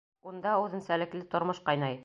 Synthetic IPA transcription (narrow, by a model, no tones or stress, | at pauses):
und̪ɑʉðɘnsælɘ̆klɘt̪ŏɾmoʃqɑjnɑj